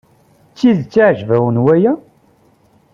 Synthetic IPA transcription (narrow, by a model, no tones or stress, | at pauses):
t͡sːiðt͡sːiʕʒvæwənwæjæ